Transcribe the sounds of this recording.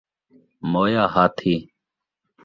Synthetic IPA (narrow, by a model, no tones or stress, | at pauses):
moːjaːhaːt̪ʰiː